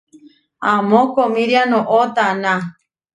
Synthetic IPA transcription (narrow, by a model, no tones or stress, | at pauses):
amõkomĩɾjanõʔot̪anã